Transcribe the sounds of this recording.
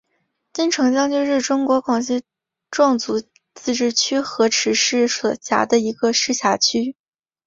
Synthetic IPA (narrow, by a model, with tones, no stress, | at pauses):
t͡ɕi˥˩nʈ͡ʂʰɤ˧˥ŋt͡ɕjɑ˥ŋt͡ɕjo˥˧ʊʂɻ̩˥˩ʈ͡ʂʊ˥ŋkwɔ˧˥kʰwɑ˨˩ŋɕi˥ | ʈ͡ʂwɑ˥˩ŋt͡su˧˥ | t͡sɹ̩˥˧ʈ͡ʂɻ̩˥˩t͡ɕʰy˥xɤ˧˥ʈ͡ʂʰɻ̩˧˥ʂɻ̩˥˩swɔ˨˩ɕja̰˧˥d̪ə˧i˧˥ɡə˧ʂɻ̩˥˩ɕja˧˥t͡ɕʰy˥